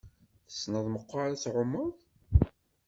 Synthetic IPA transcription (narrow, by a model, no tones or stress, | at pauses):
θə̥snəðˤməqːaɾæt͡sʕʊmːəðˤ